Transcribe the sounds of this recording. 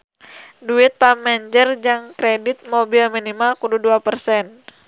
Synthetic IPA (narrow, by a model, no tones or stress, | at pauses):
duɪt̪̚pamɛɲd͡ʒərd͡ʒaŋkɾɛdit̪̚mobilminimalkududuapərsɛn